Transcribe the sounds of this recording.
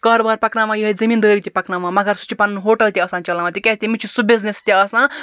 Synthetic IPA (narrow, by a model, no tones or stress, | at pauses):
kɐɾbɐɾpɐknaːmãjiɦɐzɐmiːnd̪əːɾit̪ipɐknamãːmɐɡɐɾsu̥t͡ʃʰipɐnɐnɦoːʈɐlt̪ʲiɐsãːnt͡ʃɐlãmãt̪ikʲɛst̪ʲimit͡ʃʰisubiznest̪ʲiɐsãː